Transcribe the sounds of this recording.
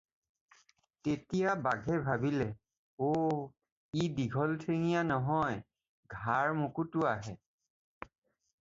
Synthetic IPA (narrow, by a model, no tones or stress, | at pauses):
tetijabaɡʱɛbʱabilɛ | o | idiɡʱɔltʰeŋijanɔɦɔj | ɡʱaɹmukutʊaɦɛ